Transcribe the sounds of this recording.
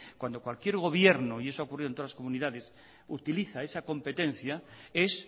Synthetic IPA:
kwand̪o̞kwalkje̞ɾɣ̞o̞βje̞ɾnoie̞soaokuriðont̪oðlasko̞muniðaðe̞s | ut̪iliθae̞sako̞mpe̞t̪ẽ̞n̟θjae̞s

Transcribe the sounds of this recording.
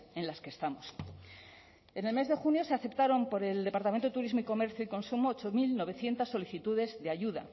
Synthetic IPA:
e̞nlaskest̪amos | e̞ne̞lme̞zðexunjo̞se̞aθe̞pt̪aɾo̞mpo̞ɾe̞ld̪epaɾt̪ame̞nt̪oet̪uɾizmoiko̞me̞ɾθjoiko̞nsumoːt͡ʃomilno̞βe̞θje̞nt̪asːo̞liθit̪uðe̞zðeajuða̰

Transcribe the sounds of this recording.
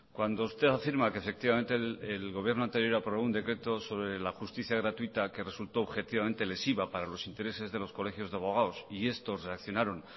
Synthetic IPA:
kwand̪oust̪e̞θafiɾmakefe̞k̚t̪iβament̪eelɣo̞βje̞ɾnoant̪e̞ɾjo̞ɾapɾoβound̪e̞kɾe̞t̪o̞so̞βɾelaxust̪iθjaɣɾat̪uit̪ake̞re̞sult̪oːβxe̞t̪iβamẽ̞nt̪e̞le̞siβapaɾalo̞sint̪e̞ɾe̞se̞zðe̞lo̞sko̞le̞xjo̞zðeaβo̞ɣ̞aosie̞st̪o̞sre̞akθjo̞naɾo̞ŋ

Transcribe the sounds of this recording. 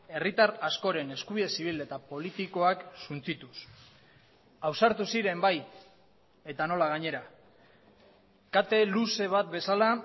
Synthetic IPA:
e̞rit̪arasko̞ɾe̞ne̞skuβiðe̞siβ̞ilet̪apo̞lit̪iko̞aksunt͡sit̪us | awsaɾt̪usiɾe̞mbaj | e̞t̪ano̞laɣ̞aɲe̞ɾa | kat̪e̞luse̞β̞at̪̚be̞sala

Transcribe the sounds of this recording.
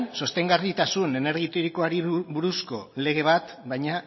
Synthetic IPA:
nso̞st̪e̞ŋɡarit̪asune̞ne̞ɾɣit̪oɾikoaɾiβuɾusko̞le̞ɣ̞e̞β̞at̪ | bajɲa

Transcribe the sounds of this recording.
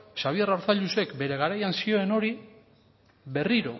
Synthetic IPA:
ʃaβ̞ie̞raɾθaʎuse̞kbe̞ɾe̞ɣaɾajansio̞eno̞ɾi | βe̞riɾo̞̰

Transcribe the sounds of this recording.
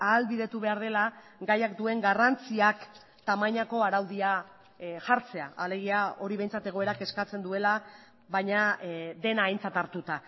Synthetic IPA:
aːlβiðe̞t̪uβe̞aɾðe̞la | ɡajakd̪ue̞ŋɡarant͡siak | t̪amaɲako̞aɾawðia | ʝaɾt͡se̞a̰ale̞ɣiao̞ɾiβe̞jnt͡sat̪e̞ɣ̞o̞eɾake̞skat͡se̞nd̪ue̞la | βajɲad̪e̞naːjnt͡sat̪aɾt̪ut̪a

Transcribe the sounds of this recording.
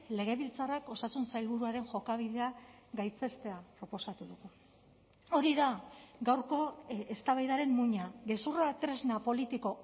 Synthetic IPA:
le̞ɣ̞e̞βilt͡sarako̞sasunsajlβuɾuaɾe̞ŋʝo̞kaβiðe̞a | ɡajt͡se̞st̪e̞apɾo̞po̞sat̪uðuɣu | o̞ɾiðaɡawɾko̞est̪aβajðaɾe̞mːuɲaɣe̞surat̪ɾe̞znapo̞lit̪iko̞

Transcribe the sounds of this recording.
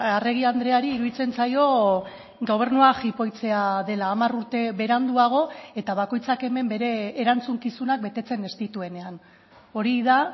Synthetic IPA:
are̞ɣ̞iand̪ɾe̞aɾiːɾuðit͡se̞nt͡sajo̞ | ɡo̞β̞e̞ɾnuaxipo̞jt͡se̞aðe̞laːmaruɾt̪e̞βe̞ɾand̪uaɣ̞o̞e̞t̪aβ̞ako̞jt͡sake̞me̞mbe̞ɾe̞ːɾant͡suŋkisunak̚be̞t̪e̞t͡se̞ne̞st̪it̪ue̞ne̞an | o̞ɾiða

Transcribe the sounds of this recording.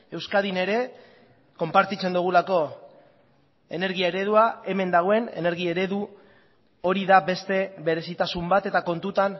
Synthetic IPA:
e̞wskaðine̞ɾe̞ | ko̞mpaɾt̪it͡se̞nd̪uɣ̞ulako̞ | e̞ne̞ɾɣiaeɾe̞ð̞uae̞me̞nd̪aɣ̞o̞e̞ne̞̰ne̞ɾɣ̞ie̞ɾe̞ðu | o̞ɾiðabe̞st̪e̞βe̞ɾe̞sit̪asumbat̪e̞t̪ako̞nt̪ut̪an

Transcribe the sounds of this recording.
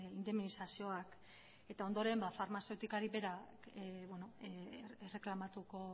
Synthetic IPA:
ind̪e̞mnisasio̞ak | e̞t̪ao̞nd̪o̞ɾe̞mbafaɾmase̞wt̪ikaɾiβe̞ɾakβweno̞ere̞klamat̪uko̞

